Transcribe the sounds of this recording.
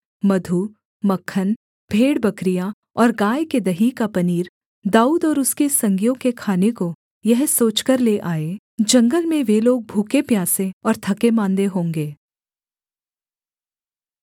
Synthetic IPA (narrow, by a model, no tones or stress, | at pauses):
mɐd̪ʱu | mɐkʰːən | b̥ʱeːɽbɐkɾija | ɔːɾɡaːjked̪ɐɦikapɐniːɾ | d̪aːuːd̪ɔːɾʊskesɐ̃ŋɡijõkekʰaːneko | jɐɦsoːt͡ʃkəɾleʔaːe | d͡ʒɐ̃ŋɡəlmẽʋeloːɡ̚bʱuːkepjaːsẽɔːɾt̪ʰɐkemãːnd̪eɦõːŋɡeː